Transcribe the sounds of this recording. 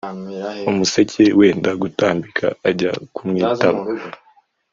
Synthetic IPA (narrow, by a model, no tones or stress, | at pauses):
umuse̞cʰe̞we̞ːndaɡutaːmbikʰa̰ːɟakumŋiːtaβa